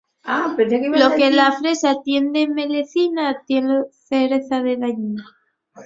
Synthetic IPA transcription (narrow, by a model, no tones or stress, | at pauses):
apesakelokelafɾesat̪jend̪emeleθinat̪jeneθeɾeθaðelaɲina